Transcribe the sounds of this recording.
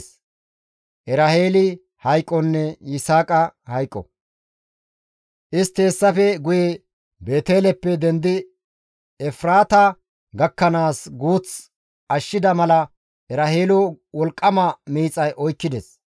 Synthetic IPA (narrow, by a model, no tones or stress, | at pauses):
s | ʔɛɾahe̞ːlɪ | hɐjkʼːɔnːɛjɪsaːkʼɐhɐjkʼːɔ̰ | ʔɪst̪e̞ːsːɐfɛɡʊjɛ | be̞ːt̪e̞ːlɛpːɛd̪ɛnd̪ɪ | ɛfɾaːt̪ɐ | ɡɐkːɐnaːsɡuːt͡s | ɐʃːɪd̪ɐmɐlɐ | ɛɾɐheːlʊ | wɔlkʼːɐmɐmiːt͡sʼɐjʔɔjkːɪd̪ɛs